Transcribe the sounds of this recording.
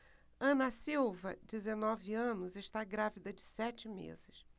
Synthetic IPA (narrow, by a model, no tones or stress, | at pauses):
ɐ̃nɐsiwvɐd͡ʒɪzenɔvɪɐ̃nʊzɪʃt̪aɡɾavid̪ɐd͡ʒɪsɛt͡ʃɪmḛzɪs